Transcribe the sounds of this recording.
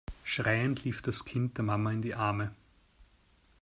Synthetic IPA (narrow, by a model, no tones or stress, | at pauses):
ʃʁaɪəntʰliːfd̥askʰɪnt̚d̥eːɐmamɐɪndiːʔaɐmə